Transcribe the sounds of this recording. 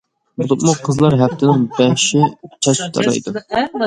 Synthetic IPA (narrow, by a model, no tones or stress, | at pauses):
bulˠup̪muqʰəzlˠɑɾɦɛpt̪ʰɪnɪŋbɛhʃɪt͡ʃʰɑt͡ʃt̪ʰɑ̰ɾɑ̰jd̪u